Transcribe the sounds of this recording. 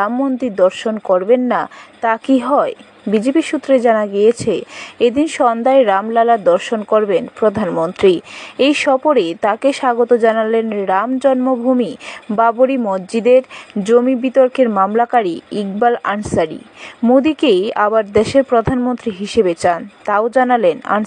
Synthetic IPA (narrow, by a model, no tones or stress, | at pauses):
amːond̪id̪ɔɾʃonkoɾbenːat̪akiɦɔe | bid͡ʑepiʃut̪ːɾed͡ʑanaɡijet͡ɕʰeed̪inʃɔnd̪aeɾamlalad̪ɔɾʃonkoɾbenpɾod̪ʱanmont̪ɾiejʃɔpoɾet̪akeʃaɡot̪od͡ʑanalenɾamd͡ʑɔnmobʱumibaboɾimɔd͡ʑd͡ʑid̪eɾd͡ʑomibit̪oɾkeɾmamlakaɾiiɡbala̰nsaɾḭmod̪ikejabaɾd̪eʃeɾpɾod̪ʱanmont̪ɾiɦiʃebet͡ɕant̪aod͡ʑanalena̰n